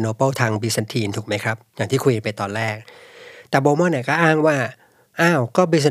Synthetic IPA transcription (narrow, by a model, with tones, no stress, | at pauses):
noː˧pɤ˥˩t̪ʰaː˧ŋbiː˦˧sa˧nt̪ʰiː˧nt̪ʰu˨˩kma˦˥jkʰɾa˦˥p̚jaː˨˩ŋʰiː˥˩u˧ka˧npa˧jt̪ɔː˧nɾɛː˥˩k̚t̪ɛː˨˩boː˧mɔ˥˨ni˧˩kɔː˥˩ʔaː˥˩ŋwaː˥˩ | ʔaː˧˥˩wkɔː˥˩biː˧sa˧